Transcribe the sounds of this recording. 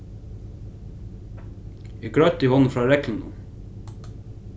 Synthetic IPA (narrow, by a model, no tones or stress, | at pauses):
iːɡɽœt̪iːhɔn̩fɾɑːɾɛkln̩ʊ̰